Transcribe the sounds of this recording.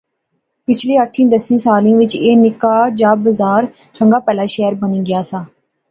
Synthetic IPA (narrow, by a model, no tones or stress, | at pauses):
pɪt͡ʃʰleːəʈʰːĩːd̪əsĩːsaːlĩːʋɪt͡ʃeːnɪkaːd͡ʒaːbəzaːɾt͡ʃəŋɡaːpɛːlaːʃɛːɾbənĩːɡɪjaːsaː